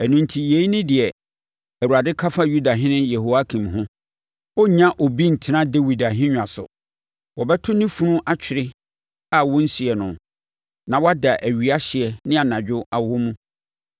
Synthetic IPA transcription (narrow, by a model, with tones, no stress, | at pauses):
æ˨nũ˨ntʰi˨je˨˦i˦nɪ̃˦dɪ˨ɛ˨ | æ˨wu˨ɾa˨dɪ˦kʰa˦fa˦ju˦da˨ɦɪ̃˦nɪ̃˦je˨ho˨a˦kʰĩ˨mɦʊ̃˦ | ɔ˦ɲã˦ʔo˨bi˦n̩˨tʰɪ˦nã˦de˦wi˨da˨ɦɪ̃˦ɲᶣ˨ã˨sʊ̰˨ | wɔ˨bɛ˦tʰʊ˦nĩ˦fũ˦nʊ̃˦ʔa˦t͡ɕᶣʰɪ˨ɾɪ˦ | a˨wɔ̃˦n̩˦si˨ɛ˨nʊ̃˨ | nã˨wɔ˦a˦da˨ʔæ˨ɥi˨a˦ɕɪ˨ɛ˨nɪ̃˦a˨nã˨d͡ʑᶣʊ˦a˨wɔ˦mũ˦